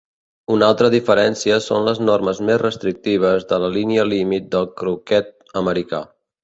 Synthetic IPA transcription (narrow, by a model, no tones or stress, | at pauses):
unalˠt̪ɾəðifəɾɛnsiəsonləznorməzmezrəst̪ɾik̚t̪iβ̞əzðələliniəlimit̪̚d̪əlˠkɾukɛt̪̚ | əməɾika̰